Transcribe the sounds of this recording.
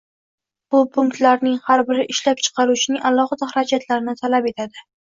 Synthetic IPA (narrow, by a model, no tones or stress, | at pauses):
b̥ʊpʰʊŋk̚t̪laɾnɪŋhaɾbɪɾɪʔɪʃlap̚t͡ʃʰɨ̥qʰɑɾut͡ʃʰɪnɪŋʔalˠɒχɨd̪aχɾad͡ʒʰat̪ʰlaɾɪnɪt̪ʰalape̞t̪ʰad̪ɪ